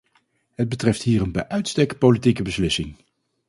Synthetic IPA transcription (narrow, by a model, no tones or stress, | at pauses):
ɦəd̚bətrɛftɦiːrənbɛjʔœɥtstɛk̚politikəbəslɪsɪŋ